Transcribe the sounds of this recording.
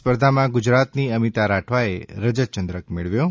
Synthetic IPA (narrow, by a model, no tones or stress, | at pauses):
spəɾd̪ʱamãɡʊd͡ʒɾat̪niəmit̪aɾaʈʰʋaeɾəd͡ʒət͡ʃənd̪ɾəkmeɭʋjo